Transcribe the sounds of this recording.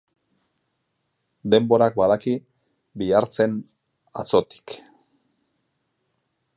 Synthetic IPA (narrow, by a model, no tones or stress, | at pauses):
d̪e̞mbo̞ɾak̚baðaki | biaɾt͡se̞n | at͡so̞t̪i̥k